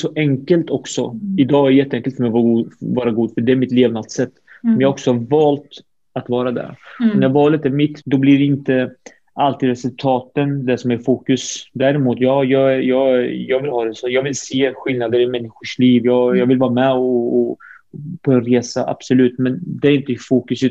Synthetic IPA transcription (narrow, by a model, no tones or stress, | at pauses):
sɔʔɛŋkəlt̪ɔksɔɪd̪ɑːɡɛɾjɛt̪ːɛɛŋkəlfœɾmɛjɡvɑːɾaɡuːd̪fœɖɛæɾmɪt̪leːvnat̪sɛt̪ːɔmjɑːɡɔksɔhaɾvɑːlt̪ | at̪vɑːɾad̪ɛ̰ɾɔnɛjvɑːlət̪æɾmɪt̪ːd̪ɔbliɖɪnt̪ə | alt̪iːd̪ɾɛsɵlt̪ʰɑːt̪ənd̪ɛʂɔmæɾfuːkɵsd̪æːɾɪmuːt̪jɑːjɑːjɑːɡjɑːɡvɪlhɑːd̪ɛsɔjɑːɡvɪlseːɧɪlnad̪əɾɪmɛnːɪɧʊʂliːvjɑːɡjɑːɡvɪlvɑːɾamɛɔ | pʰɔɛnɾeːsaʔa̰b̥sɔlʉ̟ːt̪mɛnd̪ɛæɾɪnt̪əfuːkɵs